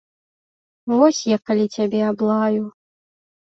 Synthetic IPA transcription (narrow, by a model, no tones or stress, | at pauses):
vɔsʲjakalʲit͡sʲabʲɛablˠaju